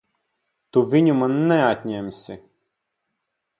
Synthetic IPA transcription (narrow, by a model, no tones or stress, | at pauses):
t̪uvʲinʲʊmanːɛat̪ʲnʲɛmʲsʲɪ